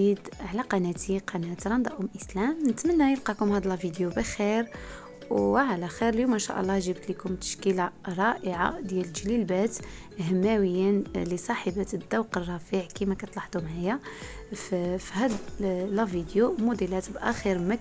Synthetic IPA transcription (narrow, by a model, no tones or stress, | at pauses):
id̪ʕlæqɑnæt̪iqɑnæt̪ɾˤɑnd̪ɑʔʊmʔəslæmnət̪mənːæjəlqɑkʊmhæd̪læfid̪jubəxiɾ | wʕalæxiɾəljumænʃæ̰ʔə̰lˤːɑʒəbt̪likʊmt̪ə̥ʃkəlaɾˤɑʔəʕa̰d̪jælʒlilbæt̪ | həmːæwəjːinlisˤɑħəbæt̪d̪ːɑwqərˤːɑfiʕkimækæt̪ˤlɑħt̪umʕajaffhæd̪læfid̪jumʊd̪ilæt̪bʔæxiɾmæ